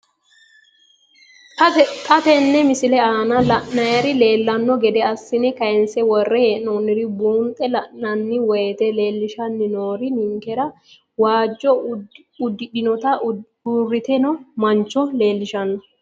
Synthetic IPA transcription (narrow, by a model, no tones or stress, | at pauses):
t̪ʼɐt̪ɛnːɛmɪsɪlɛaːnɐlɐnːɐjɐɾɪle̞ːlːɐnːɔɡɛd̪ɛɐsːɪnɛkɐjɛnsɛwɔrːɛheːoːnːɪɾɪbuːnt̪ʼɛlɐnːɐnːɪwɔjɛt̪ɛle̞ːlːɪʃɐnːɪnoːɾɪnɪŋkɛɾɐ | waːd͡ʒːɔ | ʊd̪ːɪɗɪnɔt̪ɐ | uːrːɪt̪ɛnɔmɐnt͡ʃːɔle̞ːlːɪʃɐnːɔ